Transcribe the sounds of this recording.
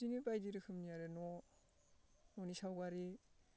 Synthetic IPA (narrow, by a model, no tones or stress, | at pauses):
iŋɯbajdiɾɯkʰɯmnijaɾɯnɔ | nɔnisawɡaɾi